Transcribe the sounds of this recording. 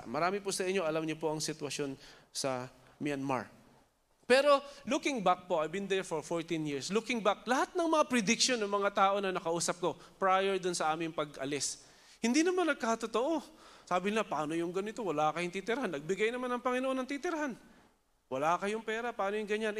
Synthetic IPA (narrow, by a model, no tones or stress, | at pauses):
mɐɾaːmɪpʊsɐʔɪɲːo̞ʔɐlamɲopo̞ʔɐŋsɪt̪wɐʃo̞nsɐ | mɪanma̰ɹ | pɛːɾo̞lukɪŋbak̚po̞ʔɐjbɪnd̪ɛɹfoɹfoɹt̪ɪnjiɹslukɪŋbak̚lɐhat̪̚nɐŋmɐŋapɾɪd̪ɪk̚ʃo̞nːɐŋmɐŋat̪aːʔo̞nɐnɐkɐʔuːsɐp̚ko̞ | pɹajɛɹd̪ʊnsɐʔaːmɪŋpɐɡʔɐ̰lɪs | hɪnd̪inɐmanːɐɡ̚kaɐt̪ot̪oʔosaːbɪnapaːno̞jʊŋɡɐnɪt̪owɐlakɐjoŋt̪it̪ɪɾɐhanːɐɡ̚bɪɡajnɐmanːɐŋpɐŋɪnoʔo̞nɐŋt̪it̪ɪɾɐɦan | wɐlakɐjʊŋpɛːɾɐpaːnojʊŋɡɐɲan